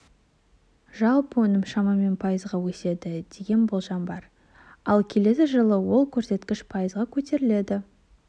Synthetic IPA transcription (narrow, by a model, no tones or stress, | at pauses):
ʒɑlˠpəwɵnɪmʃɑmɑme̞npʰɑjəzʁɑwɵse̞d̪ɪd̪̥e̞ɡʲe̞nbolˠʒɑmbɑɾ | ɑlˠkʲʰe̞le̞sɪʒəlˠəwo̞lˠkʲʰɵɾse̞t̪kʲɪʃpʰɑjəzʁɑkʲʰɵt̪e̞ɾɪle̞d̪ɪ